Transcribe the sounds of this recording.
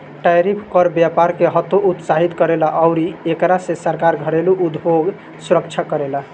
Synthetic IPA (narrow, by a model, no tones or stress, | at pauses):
ʈajɾipʰkɔɾbjapaɾkeɦət̪oʔut̪saɦit̪kəɾelaʔaʊɾiekɾasẽsəɾkaɾɡʱəɾeluʔud̪bʱoɡ | suɾəkt͡ʃʰakəɾela